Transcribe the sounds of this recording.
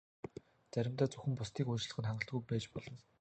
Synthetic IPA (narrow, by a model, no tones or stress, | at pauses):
t͡sæɾʲɪ̆mt̪aːt͡sɵxɘ̆mpʊst̪iːkujt͡ɕɮə̆χɘ̆nχaɴɢə̆ɬt̪̚ɡujpæːt͡ɕpɔɮɞ̆n